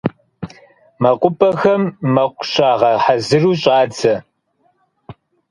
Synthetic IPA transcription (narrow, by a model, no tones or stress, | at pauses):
mɐqʷʊpʰʼɐxɐmːɐqʷʊ̥ɕʼaːʁɐħazɨruːɕʼɑːd͡zɐ